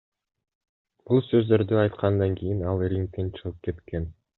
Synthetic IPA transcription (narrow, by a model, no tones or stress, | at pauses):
b̥ulˠsø̞zd̪ø̞ɾd̪yɑjt̪qʰɑnd̪ɑŋkʲijinɑlˠɾʲiŋk̚t̪ːent͡ʃʰɯʁɯp̚ke̞t̪ke̞n